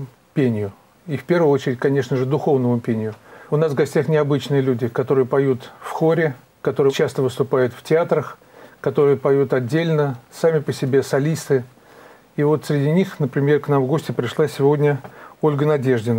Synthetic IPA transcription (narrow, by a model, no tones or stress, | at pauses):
pʲenʲɪjʊ | ifpʲe̞rvʊjɨo̞t͡ɕɪɾʲɪt̚ʲkɐnʲe̞ʂnəʐɨd̪ʊxo̞vnəmʊpʲenʲɪjʊʊnasvɡɐsʲtʲaxnʲɪɐbɨt͡ɕnɨjəlʲudʲɪkɐt̪o̞ɾɨjəpɐjut̪fxo̞ɾʲɪ | kɐt̪o̞ɾɨjt͡ɕast̪əvɨst̪ʊpajʊt̪ftʲɪat̪ɾəx | kɐt̪o̞ɾɨjəpɐjut̪ɐdʲːelʲnəsamʲɪpəsʲɪbʲe̞sɐlʲist̪ɨ | ivo̞t̪sɾʲɪdʲinʲixnəpɾʲɪmʲe̞rknamvɡo̞sʲtʲɪpɾʲɪʂlˠasʲɪvo̞dʲnʲəo̞lʲɡənɐdʲe̞ʐdʲɪnə